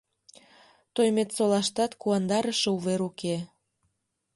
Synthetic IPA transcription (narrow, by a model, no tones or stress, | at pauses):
t̪ojmet̪solɑʃt̪ɑt̪kuɑnd̪ɑɾəʃĕuβeɾuke